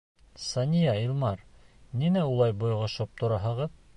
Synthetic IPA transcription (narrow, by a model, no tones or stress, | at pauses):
sɑnʲijailˠmɑɾninæulˠɑjbŏjʁɤ̆ʃop̚t̪ŏɾɑɦɤ̆ʁɤð